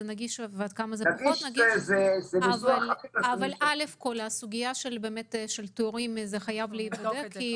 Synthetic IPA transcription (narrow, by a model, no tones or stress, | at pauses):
naɡiʃvad̪̚kamazenaaɡiotnaɡiezezemivalaiaːvalale̞fko̞lasuɡijaʃelbe̞ːmetʃelt̪eoʁimzeχajavleibbadekʰːi